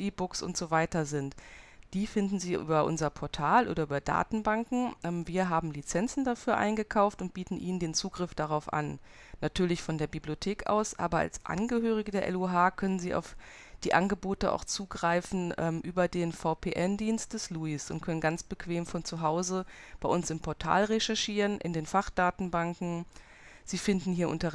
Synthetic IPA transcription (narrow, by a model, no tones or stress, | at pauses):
ʔiːbʊksʊ̰ntz̥ovaɪtɐzɪntd̥iːfɪndn̩ziːʔy̰ːbɐʔʊ̰nzɐpʰɔɐtʰaːlʔo̰ːdɐʔyːbɐda̰ːtn̩baŋkŋ̩ʔɛmviːɐɦaːbm̩lit͡sɛnt͡sn̩dafyːɐʔa̰ɪnɡəkʰaʊftʊnt̚b̥iːtn̩ʔḭːnəndeːnt͡suːɡʁɪfd̥aʁaʊfʔa̰nː | atʰyːɐlɪçfɔndeːɐbibliotʰeːkʔa̰ʊsʔa̰ːbɐa̰lsʔa̰nɡəɦøːʁ̞ɪɡədeːɐʔɛ̰luɦaːkʰœnənziːʔa̰ʊf | d̥iːʔanɡəboːtəʔa̰ʊxt͡suːɡʁaɪfn̩ʔɛːmʔyːbɐdeːnfaʊpʰeːʔɛndiːnst̚d̥ɛsluːisʊ̰ntkʰœnənɡant͡sb̥əkv̥eːmfɔnt͡suɦaʊzəb̥aɪʔʊnsɪmpʰɔɐtʰa̰ːlʁeʃɛɐʃiːʁənʔɪ̰ndeːnfaχd̥aːtn̩baŋkŋ̩ | z̥iːfɪndn̩hiːɐʔʊ̰ntɐ